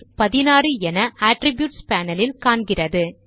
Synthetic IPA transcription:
pɐðɪnaːrɯɛnɐaːʈɾɪbjuːʈspaːnɐlɪlkaːɳɡɪrɐðɯ

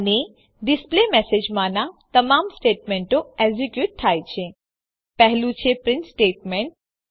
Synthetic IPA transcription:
ne | ɖɪsplemɛːsed͡ʒmãnãt̪ɐmaːmsʈeːʈ̚mẽɳʈõezikjuːʈ̚t̪ʰaːjt͡ʃʰẽ | pɛɦlũt͡ʃʰepɾɪnsʈeːʈmẽɳʈ̚

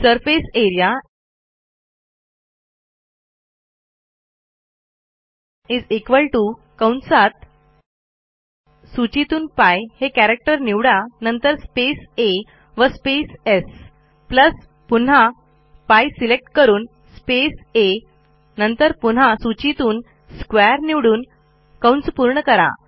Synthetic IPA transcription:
səɾfeseɾija | id͡zekʋəlʈu | kãwɳsat̪̚ | sut͡ɕit̪uːnpajhekæɾek̚ʈəɾniʋɽanənt̪əɾspese | ʋəspeses | pləs | pun̤a | pajsilek̚ʈkəɾuːn | spese | nənt̪əɾpun̤asut͡ɕit̪uːn | skʋaɾniʋɽuːn | kãwɳspuɾɳəkəɾa̰

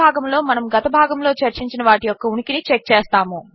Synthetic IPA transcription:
aːɡɐmlo̞ːmɐnɐmɡɐt̪ɐbʱaːɡɐmlo̞ːt͡ʃɐɾt͡ʃiɲt͡ʃinɐʋaːʈijɔkːɐuɳikinit͡ʃek̚t͡ʃeːst̪aːmu

